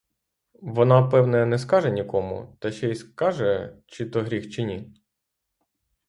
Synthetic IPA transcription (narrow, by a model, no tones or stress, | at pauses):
ʋɔnɑpɛwnɐjnɛskɑʒɛnʲikɔmṵt̪ɛʃɛiskɑʒɛt͡ʃit̪ɔɦɾʲixt͡ʃɪnʲi